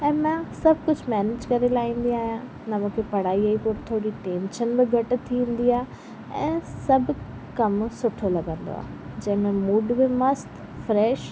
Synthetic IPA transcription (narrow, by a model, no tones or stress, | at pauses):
ɛ̃ːmãsɐbʱkʊd͡ʑʱmɛːneːd͡ʑkɐɾelaːɦĩːn̆d̪iaːɦijã | nɐmũːkʰepɐɽ̤aːiaipoːɾt̪ʰoːɽiʈẽːnt͡ʃənbɪɡʱɐʈɪ̆t̪ʰĩːn̆d̪iaːɦe | ɛ̃ːsɐbʱʊ | kɐmsʊʈʰolɐɡə̃nd̪o̰a̰ːɦ | d͡ʑɐ̃ɦɪ̃mẽmuːɖbɪmɐst̪ | fɾɛːʃ